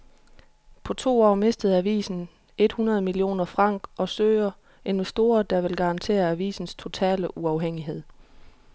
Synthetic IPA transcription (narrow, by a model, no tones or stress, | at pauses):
pʰɒ̽t͡sʰo̝̰ːɒ̰ːme̝sd̥əð̩ˠæʋḭːsn̩ | e̝d̥hunɐð̞̩ˠmilio̝̰ːnɐfʁɑ̈ŋ̰ɡ̥ɒ̽søːɐ | e̝nʋesd̥o̝ːɐd̥ɑ̈ʋe̝lɡ̥ɑ̈ɑ̈nt͡sʰe̝̰ːɐæʋḭːsn̩st͡sʰo̝t͡sʰɛ̰ːləʔuɑ̈ʊɦeŋ̰iɦe̝ð̞̰ˠ